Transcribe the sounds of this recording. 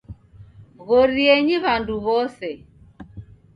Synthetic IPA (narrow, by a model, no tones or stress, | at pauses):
ɣɔɾiɛɲiβanduβɔsɛ